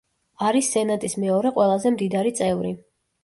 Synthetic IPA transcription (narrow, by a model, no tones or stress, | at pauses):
aɾisːɛnat̪ʼismɛɔɾɛqʼwɛlˠazɛmd̪id̪aɾit̪sʼɛvɾi